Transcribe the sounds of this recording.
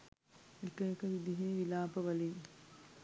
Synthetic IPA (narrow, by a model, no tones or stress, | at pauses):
ekɐekəʋid̪iɦeːʋilaːpɐʋɐlin